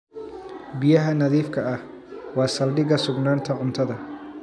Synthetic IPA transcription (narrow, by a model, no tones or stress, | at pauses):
bɪjɐɦɐnɐðiːfkʰɐʔɐh | wɑːsɐlɖɪɣɐsʊɡnaːnt̪ʰɐʕʊnt̪ʰɐðɐ